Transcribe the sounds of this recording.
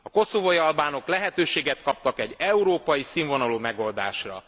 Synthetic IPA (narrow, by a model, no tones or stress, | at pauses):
ɒko̞sovojiɒlbaːno̞klɛɦɛt̪øːʃeːɡɛt̪kɒp̚t̪ɒkɛɟːɛuɾoːpɒjisiːɱvo̞nɒloːmɛɡo̞ld̪a̰ːʃrɒ̰